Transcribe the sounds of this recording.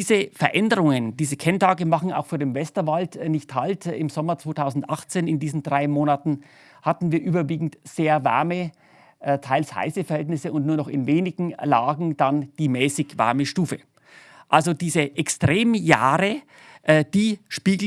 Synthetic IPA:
zəfɛɐʔɛndəʁʊŋənd̥iːzəkʰɛntʰaːɡəmaχn̩a̰ʊxfyːɐdeːmvɛstɐvaltnɪçthaltɪ̰mzɔmɐt͡sv̥oːtʰaʊzn̩tʔaχt͡seːnɪndiːzn̩dʁaɪmoːnatn̩ | hatn̩viːɐʔyːbɐviːɡŋ̩tz̥eːɐva̰ɐmə | ʔtʰaɪlsha̰ɪsəfɛɐhɛltnɪsəʊntnuːɐnɔχɪnveːnɪɡŋ̩laːɡŋ̩d̥and̥iːmɛːsɪçva̰ɐməʃtuːfə | ʔalzod̥iːzəʔɛkstʁ̥eːmjaːʁə | ʔːd̥iːʃpiːl

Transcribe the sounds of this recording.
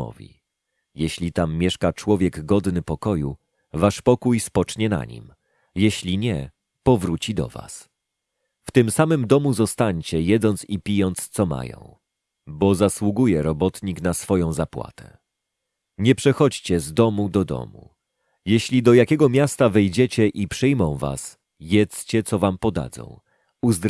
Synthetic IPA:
ɔ̰vʲḭ | jeɕlʲit̪amːjɛʂkat͡ʂwɔvʲjɛɡɡɔd̪nɘpɔkɔju | vaʂpɔkujspɔt͡ʂɲɛna̰ɲḭm | jeɕlʲiɲɛ | pɔvɾut͡ɕid̪ɔ̰va̰s | ft̪ɘmsamɘmd̪ɔmuzɔst̪aɲt͡ɕɛjɛd̪zɔnt̪sipʲijɔnt̪st̪sɔma̰jɔ̰̃w̃ | bɔzaswuɡujɛɾɔbɔt̪ɲiknasfɔjɔ̃w̃zapwa̰t̪ɛ̥̰ | ɲɛpʂɛxɔt͡ɕt͡ɕɛzd̪ɔmud̪ɔd̪ɔ̰mṵ | jɛɕlʲid̪ɔjakʲɛɡɔmʲjast̪avɛjd͡ʑɛt͡ɕɛʔipʂɘjmɔ̃w̃va̰s | jɛt̪st͡ɕɛt̪sɔvampɔd̪a̰d̪zɔ̰̃w̃ | uzd̪ɾ

